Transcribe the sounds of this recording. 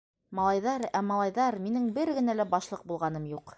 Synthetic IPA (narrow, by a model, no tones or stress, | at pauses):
mɑlˠɑjðɑɾæmɑlˠɑjðɑɾminɘŋbɘɾɡɘ̆nælæbɑʃlˠɤq̚bulˠʁɑn̪ɤmjuq